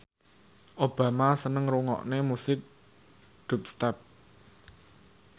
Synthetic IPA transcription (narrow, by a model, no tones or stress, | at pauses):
ʔob̥a̤masənəŋɾuŋɔ̰ʔnemusɪk̚ | d̪̥ṳp̚st̪ɛp̚